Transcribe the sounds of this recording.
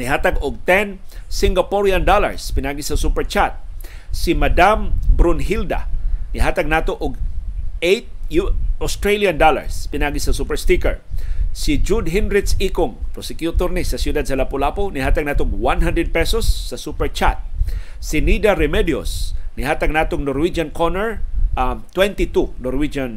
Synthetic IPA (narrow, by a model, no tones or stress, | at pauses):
niɦaːt̪aɡʊɡ̚t̪ɛnsɪ̃ŋɡapoɾjand̪ola̰ɹspɪnʔaːɡisɐsupɛɹt͡ʃat̪̚ | simad̪ambɾʊnɦild̪a̰nɪɦaːt̪aɡ̚naːt̪oʔʊɡ̚ejt̪̚juost̪ɾeljand̪ola̰ɹspɪnaʔaːɡisɐsupɛɹst̪ikɛɹsɪd͡ʒud̪ɦinɾɪt̪sikʊŋpɾosɛkjut̪ɔɾnɪsɐsjʊd̪ad̪̚sɐlapʊlaponɪɦaːt̪aɡ̚naːt̪oɡwanɦand̪ɾɛd̪̚pɛsosːɐsupɛɹt͡ʃa̰t̪̚ | sɪnid̪aɾɛmɛd̪jo̰snɪɦaːt̪aɡ̚naːt̪oŋnɔɾwid͡ʒankʰɔnɛɹat̪wɛnt̪ɪt̪unɔɾwid͡ʒan